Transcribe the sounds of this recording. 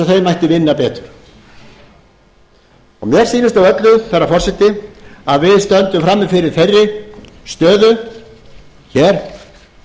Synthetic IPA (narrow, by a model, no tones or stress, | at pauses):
aθejmajht̪ɪvɪnːapɛːt̪ʏ̥ɾ̥ | ɔ̰ɣmjɛɾ̥siːnɪst̪awœt̪lʏθɛrːafɔrsɛt̪ːɪaðvɪðst̪œnt̪ʏmfɾamːɪfɪɾɪɾ̥θejrːɪ | st̪œːðʏ | çɛːɾ̥